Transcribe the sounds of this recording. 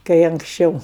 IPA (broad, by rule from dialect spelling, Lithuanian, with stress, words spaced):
kɐɪ ɐŋksʲˈt͡ʃʲɛʊ